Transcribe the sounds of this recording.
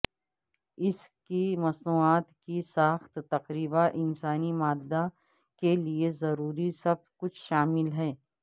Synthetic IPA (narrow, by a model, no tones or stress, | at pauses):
ɪskimɐsnuːaːt̪kisaːxt̪t̪ɐqɾiːbaʔɪnsaːnimaːd̪a | keliezɐɾuːɾisɐb̚kʊt͡ʃʰʃaːmɪlɦɛː